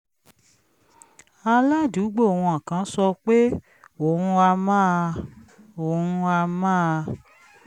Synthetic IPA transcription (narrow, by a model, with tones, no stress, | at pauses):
a˧la˦˨du˨˦ɡ͡bo˦˨wũ˧ã˨kã˨˧˦sɔ˧k͡pe˦ | o˨ɾũ˧a˧mãː˦˧o˨ɾũ˧a˧mãː˦˧